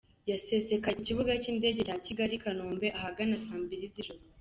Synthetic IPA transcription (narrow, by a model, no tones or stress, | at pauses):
jase̞se̞kauciβuɡaciːnde̞ːɟecaːciɡaɾikanoːmbe̞ʔahaɡanasaːmbiɾiziʒo